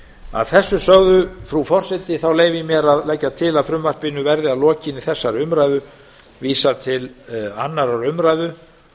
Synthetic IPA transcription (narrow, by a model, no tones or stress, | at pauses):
a̰ðθɛsːʏsœɣðʏfɾufɔr̥sɛt̪ɪθawleːjvɪmjɛɾaðlɛcːat̪ʰɪlaðfɾʏmvar̥pɪnʏvɛɾðɪaðlɔːcɪnɪθɛsːaɾʏmɾajðʏ | viːsaɾt̪ʰɪlanːaɾaɾʏmɾajðʏ